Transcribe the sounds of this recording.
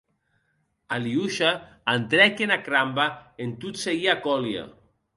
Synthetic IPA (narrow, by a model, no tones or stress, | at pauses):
aliuʃa | ant̪ɾɛkenakɾambaent̪ut̪seɣiakɔlja̰